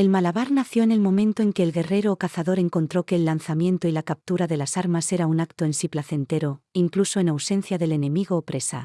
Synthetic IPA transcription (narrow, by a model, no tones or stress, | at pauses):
e̞lmalaβaɾnaθjoenelmõ̞mẽnt̪oe̞ŋkeːlɣe̞re̞ɾoːkaθaðo̞ɾe̞ŋko̞nt̪ɾo̞keːlːan̟θamjẽ̞nt̪oilakap̚t̪uɾaðe̞lasaɾmase̞ɾaunakt̪oe̞nsiplaθe̞nt̪e̞ɾo̞iŋkluso̞enawse̞n̟θjaðe̞le̞ne̞miɣ̞oːpɾe̞sa̰